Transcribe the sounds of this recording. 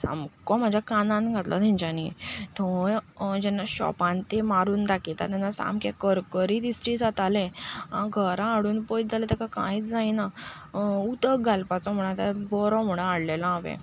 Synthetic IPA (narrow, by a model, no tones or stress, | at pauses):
sa̰mkɔm̤ad͡ʑʱjakanãnɡʱat̪la̰d̪ʱĩɲd͡ʑanit̪ʰɔ | d͡ʑɛnːaɕɔ̰pãnt̪emaɾuːnd̪akit̪a̰t̪ɛnːasa̰mkẽkəɾkəɾiːd̪isɾiːsat̪alẽã̰ɡʱəɾãːɽuːnpɔit͡sd͡zalet̪ɛkakã̰iːt͡sd͡zajna | ut̪əɡʱalpat͡sɔm̤əɽ̃at̪abɔɾɔm̤əɽ̃ə̃aɽlelãaʋḛ̃